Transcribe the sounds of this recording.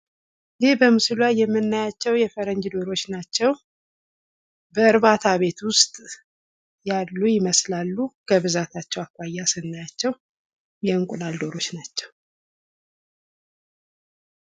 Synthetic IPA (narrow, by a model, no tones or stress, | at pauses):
jɪhbəmɨslwajɛmːɨnːajat͡ʃːɛwjɛfəɾəɲd͡ʒd̪o̞ɾo̞t͡ʃːnat͡ʃːɛw | bəɨɾβat̪ʰaβe̞t̪wʊst̪ʼ | jalːujɪməslalːukʰəβɨzat̪ʰat͡ʃːɛwakʷʼːajːasɨnːajat͡ʃːɛw | jɛɨŋkʼulald̪o̞ɾo̞t͡ʃːnat͡ʃːɛw